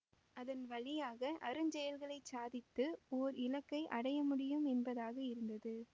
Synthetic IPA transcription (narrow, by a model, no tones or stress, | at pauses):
ɐðɐnʋɐɭɪjaːɣɐʔɐɾɯɲd͡ʒɛjɐlɣɐɭɐɪt͡ʃaːðɪt̪ːɯoːɾɪlɐkːɐɪʔɐɽɐjɐmʊɽɪjɯmɛnbɐðaːɣɐɪɾɯnd̪ɐðɯ